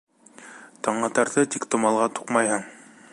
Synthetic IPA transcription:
t̪ɑɴɑt̪ɑɾt̪ɤt̪ikt̪ŏmɑlˠʁɑt̪u̥qmɑjhɤɴ

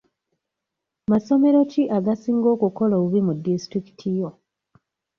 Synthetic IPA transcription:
maso̞me̞ɾo̞ciʔaɡasiːŋɡo̞ːkuko̞laβuβimudːistɾiki̥tʰijo

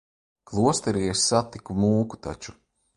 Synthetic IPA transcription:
klˠuɔst̪ɛɾiːɛsat̪ːikumuːku̥t̪a̰t͡ʃu̥

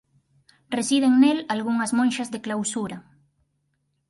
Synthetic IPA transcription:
resið̞eŋnelalɣuŋɐzmõnʃazðeklawsuɾɐ

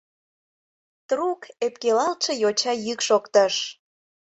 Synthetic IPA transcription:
t̪rukepkelɑlt͡ʃĕjot͡ɕɑjykʃokt̪əʃ

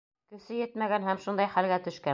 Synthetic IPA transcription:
kɵ̆sɘjɘt̪mæɡænɦæmʃund̪ɑjχælɡæt̪ɵ̆ʃkæ

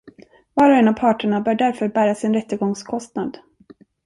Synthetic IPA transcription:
vɑːɾɔɛnavpʰɑːʈəɳabœːɖæɾfœɾbæːɾasɪnɾɛt̪ːəɡɔŋskʰɔst̪nad̪

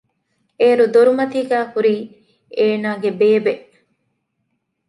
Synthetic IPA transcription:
eːɾud̪oɾumɐt̪iːɡæːhuɾiː | eːnaːɡebeːbeʔ

